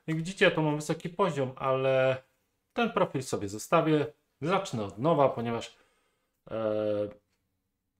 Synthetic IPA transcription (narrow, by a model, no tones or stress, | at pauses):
aɡvʲid͡ʑit͡ɕɛjat̪ɔmamvɘsɔkʲipɔʑɔmʔalɛ | t̪ɛnpɾɔfʲilsɔbʲjɛzɔst̪avʲjɛ | zat͡ʂnɛɔd̪nɔvapɔɲɛvaʂ